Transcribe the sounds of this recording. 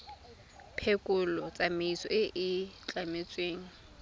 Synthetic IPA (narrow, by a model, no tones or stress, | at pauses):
pʰekʼʊlɔt͡sʼamɪisɔ̰ʔɪʔɪt͡ɬamet͡sʼweːŋ̩